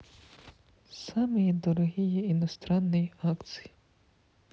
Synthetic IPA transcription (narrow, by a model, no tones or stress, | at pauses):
samɨjid̪ɔɾɔɦʲijiinɔst̪ɾanːɪjiakt̪sɨ̥ji